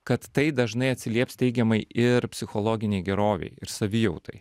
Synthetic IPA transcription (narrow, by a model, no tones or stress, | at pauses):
kɐt̪ːɐɪd̪ɐʒnɐɪɐt̪ʲsʲɪlʲiɛpst̪ʲɛɪɡʲɛmɐɪɪɾpʲsʲɪxolˠoːɡʲɪnʲɛɪɡʲɛɾoːʋʲɛ̰ɪɪɾsɐʋʲɪjɛʊt̪ɐɪ